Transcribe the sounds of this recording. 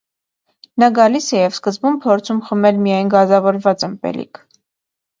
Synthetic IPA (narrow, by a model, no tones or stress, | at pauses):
nɑɡɑlisɛjɛvskəzbumpʰɔɾt͡sʰumχəmɛlmijɑjnɡɑzɑvɔɾvɑt͡səmpɛ̰lḭkʰ